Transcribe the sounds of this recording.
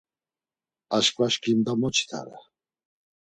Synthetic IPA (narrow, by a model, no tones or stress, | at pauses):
aʃkʼvaʃkʰʼimd̪amɔt͡ʃʰi̥t̪ʰa̰ɾa̰